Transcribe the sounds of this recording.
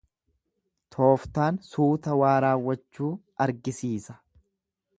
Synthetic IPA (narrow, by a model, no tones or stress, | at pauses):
t̪ʰo̞ːft̪aːnsuːt̪ɐwaːɾaːwːɐt͡ʃːuːʔɐɾɡɪsiːsɐ̥